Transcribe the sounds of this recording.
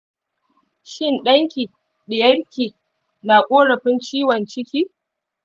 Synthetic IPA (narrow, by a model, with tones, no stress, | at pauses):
ʃɪ˦˨nɗɐ˦ŋkʲiː˨ | ɗɪ˨jɐ˦ɽkʲiː˨ | na˨kʷʼoː˦ɽɐ˨ɸɪ˦nt͡ʃiː˦wɐ˨nt͡ʃɪ˦kʲiː˦